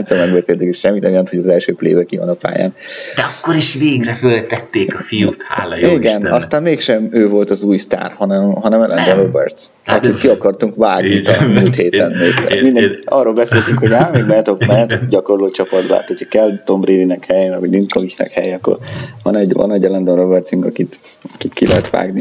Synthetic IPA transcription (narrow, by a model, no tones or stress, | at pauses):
nsolmɛɡbɛseːlt̪yŋkeʃɛmːit̪ɛmjɒnt̪ho̞ɟɒzɛlʃøːplḛːbɛkivɒ̰nɒpa̰ːja̰ːnd̥̪ɛɒkːoɾiʃveːɡrɛfølt̪ɛt̪ːeːkɒfijut̪ha̰ːliɡɛnɒst̪aːnmeːkʃɛmøːvo̞lt̪ɒzuːjst̪a̰ːrhɒnɛmɦɒnɛmɛlʔɛ̰nd͡ʒ̪ɛɾobɛ̰rt̪s | ɒ̰kit̪kiɒkɒrt̪uŋkvaːɡnit̪ɒnmult̪heːt̪ɛnːiːk̪mind̪ɛɒːrːoːlbɛseːlt̪yŋkʰho̞ɟaːmeːɡmɛt̪okmɛnt̪ɟɒko̞rloːt͡ʃɒpɒd̪ba̰ːt̪hocʰɒ̥kɛlt̪o̞mbreːdinɛkhɛjɛmɛɡʋɒɟlinkovit͡ʃnɛ̰khɛ̰jɛɒkːo̰rvɒ̰nɛɟvɒ̰nɛɟːɛlɛnd̪onrobɛrt̪syŋkɒkit̪ | ɒkit̪kilɛɦɛt̪ʋa̰ːɡni